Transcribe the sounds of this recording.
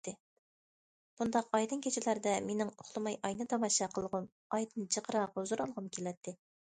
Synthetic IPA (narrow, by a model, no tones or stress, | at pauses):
ɪ | b̥und̪ɑqɑjd̪ɨnkʲʰet͡ʃʰɪlæɾd̪ɛmenɪŋoχlˠɨmɑjʔɑjnɨt̪ʰɑmɑʃɑqʰəlˠʁʊm | ɑjd̪ɨnd͡ʒəqʰəɾɑʁzuɾɑlˠʁʊmkʲʰelɛt̪ʰːɪ